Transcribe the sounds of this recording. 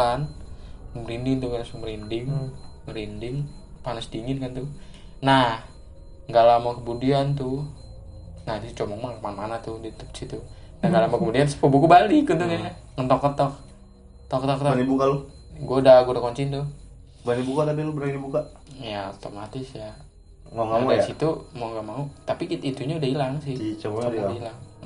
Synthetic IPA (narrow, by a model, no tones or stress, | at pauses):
an | məɾindɪŋt̪ukanasuməɾindɪŋməɾindɪŋ | panasdiŋɪnkant̪ʊnah | ɡalamakəmudiant̪̬ʊ | naht̪ut͡ʃomɔŋmaŋmanmanat̪ʊdit̪ə̥p̚sit̪u | naŋɡalamakəmudiansə̥pəbukubalɪkut̪ukaŋaŋənt̪ɔkːət̪ɔk̚ | t̪ɔkət̪ɔkt̪nibukalo | ɡoaudaɡodakoɲt͡ʃint̪u | banibukat̪abilobənadibuka | jaot̪omat̪ɪsja | maŋɡdasit̪umaŋɡamaut̪apiit̪it̪uɲaudaɦilaŋsɪht͡ʃoailaŋ